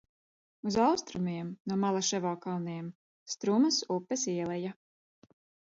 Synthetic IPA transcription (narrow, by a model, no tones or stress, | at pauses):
uzawst̪ɾumiɛmnuɔmalˠaʃɛvɔːkalˠniɛm | st̪ɾumasupːɛsiɛlˠɛja